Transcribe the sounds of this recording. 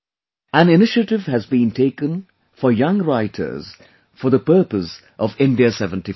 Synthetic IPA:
ʔæ̃nɪnɪʃəʈɪvhɨzbĩntʰeɪkə̃n | fəjʌ̃ŋɾaɪtʰə̰˞z̥ | fəd̪əpəːpəs | ʔɔvɪ̃ndiəsɛvə̃nti

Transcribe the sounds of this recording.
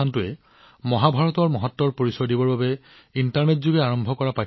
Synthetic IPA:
antʊɛ | mɔɦabʱaɹɔtɔɹmɔɦɔtːɔɹpoɹisɔdibɔɹbabɛ | intaɹnetzuɡɛaɹɔmbʱɔkɔɹapa

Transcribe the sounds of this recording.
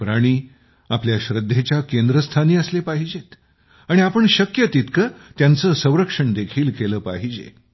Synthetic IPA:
pɾaɽ̃iː | apljaɕɾəd̪ʱːet͡ɕjakend̪ɾəst̪ʰaniːəslepaɦid͡ʑet̪ | aɽ̃iapəɳɕəkjət̪it̪kət̪jant͡səːsə̃w̃ɾəkʂəɳd̪ekʰiːlkeləːpaɦid͡ʑḛ

